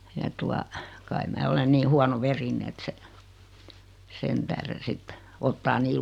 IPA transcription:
jɑ tuɑ kɑi mæː olen niː huɑnoʋerine et se sen tæhren̞ sitːe otːɑː niː

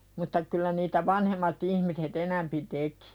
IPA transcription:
mutːɑ kylˑæ niːtæ ʋɑnhemːɑt ihmiset enæmpi teki̥

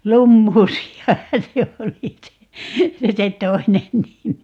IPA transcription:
lumːuːsiɑhɑn̞ se oli se se toinen nimi

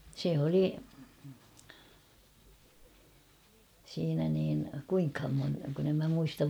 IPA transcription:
se oli siːnæ niːn kuiŋkhɑm mon kun em mæ muistɑʋ

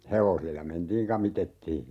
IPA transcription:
heʋosilːɑ mentiːŋ kɑmitetːiː

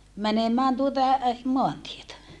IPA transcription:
mænemæːn tuotɑ moɑntietæ

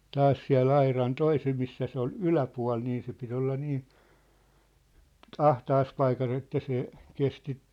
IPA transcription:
tɑːs siæ̝lː ɑirɑn toisem misːæ se ol ylæpuɑ̝l niː se pit olːɑ niː ɑhtɑːs pɑikɑs etːæ se kesti

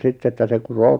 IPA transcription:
sitː etːæ se kuroː

